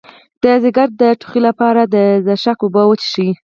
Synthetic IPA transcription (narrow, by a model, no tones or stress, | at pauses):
d̪̥əzɪɡaɾd̪əʈu̥xilapɑɾad̪əzaʃakubəwət͡ʃi̥ʃi